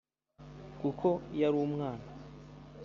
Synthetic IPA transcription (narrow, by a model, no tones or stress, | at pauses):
kukʰo̞jaɾumŋaːna